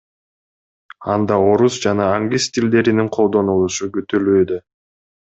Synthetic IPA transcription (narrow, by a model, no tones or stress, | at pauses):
ɑnd̪ɑo̞ɾusd͡ʒɑnɑːŋɡʲist̪ʲild̪e̞ɾiniŋqʰo̞lˠd̪o̞nulˠuʃuɡyt̪øløjd̪ø